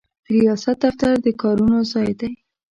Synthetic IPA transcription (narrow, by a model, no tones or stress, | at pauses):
ɾijɑsat̪̚d̪aft̪aɾd̪əkɑɾunozɑjd̪aj